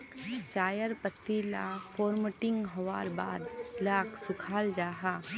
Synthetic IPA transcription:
t͡ʃaːjəɾpət̪ːila̰ːfʰoːɾməʈɪŋɡɦɐʋaːɾba̰ːd̪laːkʰsʊkʰaːld͡ʒaːɦaː

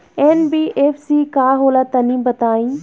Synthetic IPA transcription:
eːnbiːʔeːfʰsiːkaːɦoːlat̪ɐnĩːbɐt̪aːĩː

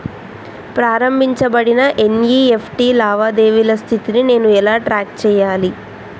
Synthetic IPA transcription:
pɾaːɾɐmbʱiɲt͡ʃɐbɐɽinɐʔe̞njiːe̞pʰʈiːlaːʋaːd̪e̞ːʋilɐst̪ʰit̪inine̞ːnuɛlaːʈɾaːk̚t͡ʃɛːjaːli

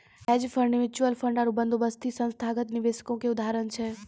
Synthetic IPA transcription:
ɛd͡ʒfʰəɾɖʋɪɾt͡ʃuəlfʰəɳɖaɾubənd̪ʱobəst̪ʰisə̃nst̪ʰaɡət̪niʋesə̥kõkeʊd̪ʱaɾənt͡ʃʰe

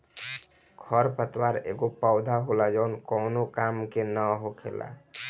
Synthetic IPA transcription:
kʰɔɾpət̪waɾḛɡopaʊd̪ʱaɦolad͡ʒaʊnkɔʊnokamkenəɦokʰḛla̰

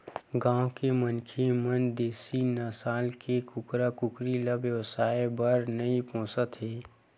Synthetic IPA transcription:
ɡãːwkemənkʰemənd̪eːsinəsaːlkekʊkɾakʊkɾiləbjəʋsaːebəɾnɐipõːsət̪ɦeː

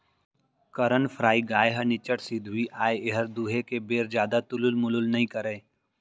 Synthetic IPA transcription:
kəɾənfʰɾaːiɡaːjɦənɪt͡ʃəʈsid̪ʱuiʔaːjeɦəɾd̪uːɦekebeːɾd͡ʒjaːd̪at̪ʊlʊlmʊlʊlnɐɦĩkəɾẽː

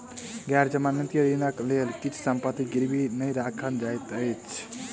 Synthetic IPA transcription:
ɡaɾd͡ʒəmanit̪jəɾinəklelk̪it͡ʃsəmpət̪iɡiɾbinəjɾakʰənd͡ʒajt̪əjt͡ʃʰ

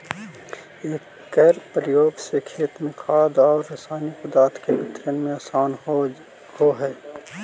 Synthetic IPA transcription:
eːkːɛːɾpɾjoːɡsekʰeːt̪mẽkʰaːd̪ɔːɾːɐsaːnikʊd̪aːt̪kebɪt̪ɾənmẽaːsaːn | hoɦɛː

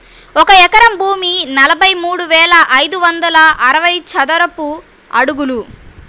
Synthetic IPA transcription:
ɔkɐɛkɐɾɐmbʱuːminɐlɐbʱɐjmuːɽuʋɛːlɐʔɐjd̪uʋɐnd̪ɐlɐʔɐɾɐʋɐjt͡ʃɐd̪ɐɾɐpu | ɐɽuɡulu

